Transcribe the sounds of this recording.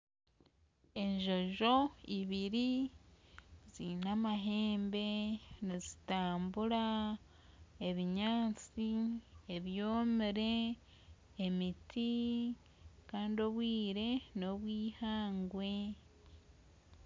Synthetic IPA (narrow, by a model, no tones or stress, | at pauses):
e̞ɲʒo̞ʒo̞iβiɾi | zinamaɦe̞ːmbe̞nizitaːmbuɾa | e̞βiɲaːt͡sieβjoːmiɾe̞ː | miti | kaːndo̞βwiːɾe̞no̞βwiːhaːŋɡwe̞